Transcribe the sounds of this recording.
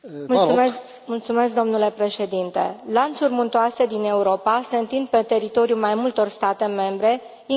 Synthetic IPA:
musume | mult̪sume̞sk̚d̪o̞mnule̞pɾe̞ʃe̞d̪int̪e̞̰lant̪surmunt̪oase̞d̪ine̞uɾo̞pase̞ɨnt̪ind̪̚pe̞t̪e̞ɾit̪o̞ɾijulmajmult̪o̞rst̪at̪e̞me̞mbɾe̞ | i

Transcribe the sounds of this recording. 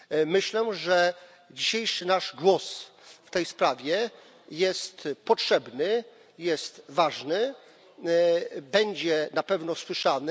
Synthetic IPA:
mɘɕlɛʐɛ | d͡ʑiɕejʂɘnaʐɡwɔsft̪ɛjspɾavʲjɛ | jɛst̪pɔtʂɛbnɘ | jɛst̪vaʐnɘ | bɛɲd͡ʑɛnapɛvnɔswɘʂanɘ

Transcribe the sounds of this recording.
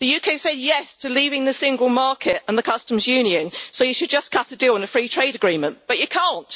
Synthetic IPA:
ðəjʉːkʰeɪsɛdjɛstʰəliːvɪ̃ŋðəsɪ̃ŋɡəlˠmɑˑkʰɪtə̃nðəkʰʌstə̃m̩zjʉ̃ːniə̃nsoʊjəʃəd̚d͡ʒʌskʰʌtədilˠɪ̃nəfɹiːtʰɹ̥eɪɾəɡɹĩmə̃nb̥ʌt͡ʃəkʰɑ̃ˑnt

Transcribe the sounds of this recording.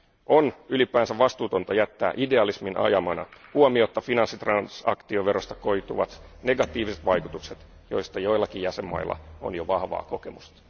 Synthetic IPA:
ʔo̞nylipˑæːnsæʋʋɑst̪uːt̪o̞nt̪ɑjæt̪ːæ̰ːʔide̞ɑlisminʔɑ̰jɑmɑnɑ̰huomiot̪ːɑfinɑnsːit̪rɑnsɑ̰kt̪ioʋeɾost̪ɑ̥ko̞jt̪uʋɑt̪ne̞ɡɑt̪ːˑiːʋiset̪ʋɑjku̥t̪ukset̪ | jo̞̰jst̪ɑjo̞jlːɑkijjæsemːɑ̰ilːɑ̰o̰njoʋɑhʋɑ̰ːko̞ke̞must̪ɑ̥

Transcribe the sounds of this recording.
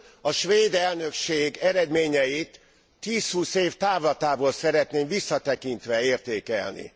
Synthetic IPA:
ɒʃʋeːd̪ɛlnø̞kʃeːɡɛɾɛd̪meːɲɛjit̪ː | iːshuːseːft̪aːvlɒt̪aːboːlsɛɾɛt̪neːmvisːɒt̪ɛkint̪ʋɛeːrt̪eːkɛ̰lnḭ

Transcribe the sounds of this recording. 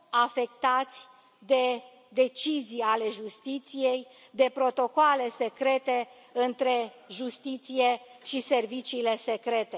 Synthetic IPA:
afe̞k̚t̪at̪sʲ | d̪e̞ | d̪e̞t͡ʃizijale̞ʒust̪it̪sije̞j | d̪e̞pɾo̞t̪o̞koale̞se̞kɾe̞t̪e | ɨnt̪ɾe̞ | ʒust̪it̪sije̞ʃise̞rvit͡ʃiːle̞se̞kɾe̞t̪e̞

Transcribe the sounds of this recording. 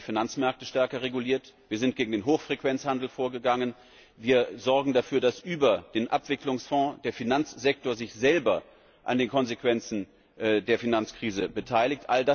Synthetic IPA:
finant͡smɛɐk̚təʃtɛɐkɐʁeɡuliːɐtv̥iːɐzɪnt̚ɡ̥eːɡŋ̩deːnɦoːxfʁ̥ekv̥ɛnt͡shandl̩foːɐɡəɡaŋən | viːɐzɔɐɡŋ̩dafyːɐdasʔyːbɐd̥eːnʔapv̥ɪklʊŋsfɔ̃d̥eːɐfinant͡sz̥ɛk̚toːɐzɪçz̥ɛlbɐ | ʔa̰ndeːnkʰɔnzekv̥ɛnt͡sn̩ | ʔdeːɐfinant͡skʁ̥iːzəbətʰaɪlɪçtʔalda

